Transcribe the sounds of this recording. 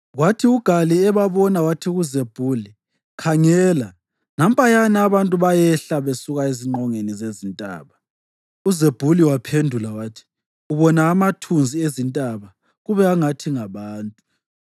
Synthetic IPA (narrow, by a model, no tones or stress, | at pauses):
ɣwatʰiuɡ̥ʱaliɛβaβɔnawatʰiɣuzeb̥ʱuːli | kʰaŋɛːla | nam̩pʼajanaβantʼuβajɛɬaβesuɣaeziŋ͡ǃʱɔŋenizezintʼa̰ːβa | uzeb̥ʱuliwapʰendʱulawatʰi̥ | uβɔnaːmatʰund͡zʱiezintʼaβa | ɣuβɛaŋatʰiŋaβaːntʼu